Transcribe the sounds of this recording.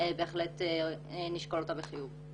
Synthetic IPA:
beeχlet | niʃkolot̪abeχijuv

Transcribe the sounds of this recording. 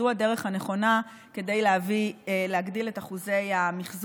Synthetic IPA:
uhadeʁeχhane̞χo̞na | ke̞dejleavileɦaɡdiletaχuze̞jamiχz

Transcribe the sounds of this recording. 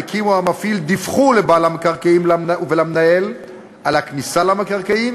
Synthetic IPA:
kʰimuamafild̪ifχulebalamakaʁkaimlaauvelamnael | alaknisalamakaʁkaim

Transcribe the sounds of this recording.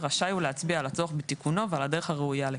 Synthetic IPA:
ʁaʃajuleat͡sbialat͡soaχbet̪ikuno̞vealade̞ʁeχhaʁeujale

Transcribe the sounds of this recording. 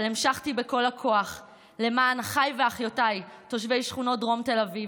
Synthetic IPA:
limʃaχtibeko̞lakʰo̞aχ | le̞maːnχajveaχjotajto̞ʃve̞jʃχuno̞t̚dʁo̞mte̞lavi

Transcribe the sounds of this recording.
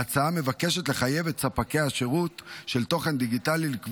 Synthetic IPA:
at͡saame̞vakeʃe̞tle̞χaje̞vetsapakejaʃeʁutʃe̞lt̪o̞χe̞nd̪iɡitalilikv

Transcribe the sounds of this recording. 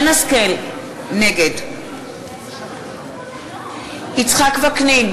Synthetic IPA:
naskel | neɡed | it͡sχakvaknejn

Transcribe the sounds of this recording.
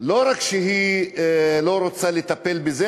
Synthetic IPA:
lo̞ɾakʃeɦi | lo̞ɾot͡salet̪ape̞lbeze

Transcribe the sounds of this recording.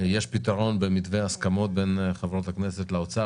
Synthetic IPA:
jeʃpit̪aʁo̞nbemit̪veaskamo̞t̪̚benχevo̞t̪hakneset̪leot͡sa

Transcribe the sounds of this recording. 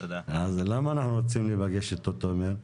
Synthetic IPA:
t̪od̪aazlamaːnaχnuɾot͡simlebaɡeʃet̪ːot̪omeɾ

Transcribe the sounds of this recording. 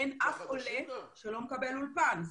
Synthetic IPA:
enʔafoleʃelomekabelulvanz

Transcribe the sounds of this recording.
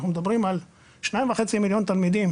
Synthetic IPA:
χnumed̪abʁimal | ʃnaĩmvaχet͡similjo̞nt̪almid̪im

